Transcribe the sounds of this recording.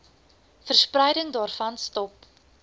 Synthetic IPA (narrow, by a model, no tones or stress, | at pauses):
fərsprəjdəŋdɑːrfɐnstɔp̚